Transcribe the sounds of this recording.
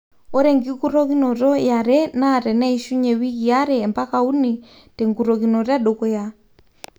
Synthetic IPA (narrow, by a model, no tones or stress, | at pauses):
ɔɾɛŋɡiɣuɾɔɣinɔɾɔjaɾɛnaɾɛnɛiʃuɲɛwiɣiaɾɛmbakauni | tɛŋɡuɾɔɣinɔɾaɗɔkɔja